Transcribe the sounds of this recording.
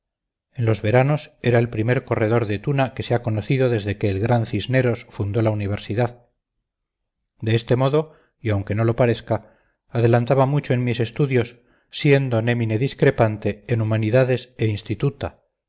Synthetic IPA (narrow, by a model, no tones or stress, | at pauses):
e̞nlo̞zβe̞ɾano̞se̞ɾae̞lpɾime̞ɾko̞re̞ð̞o̞ɾðe̞t̪unake̞seako̞noθiðo̞ðe̞zðe̞ke̞ːlɣɾanθizne̞ɾo̞sfund̪o̞launiβ̞e̞ɾsiðað | d̪e̞est̪e̞mo̞ðo | iawŋke̞no̞lo̞paɾe̞θkaː | ðe̞lant̪aβamut͡ʃoe̞nmise̞st̪uðjo̞sː | je̞nd̪one̞mine̞ðiskɾe̞pant̪e̞ːnumaniðaðe̞seinst̪it̪ut̪a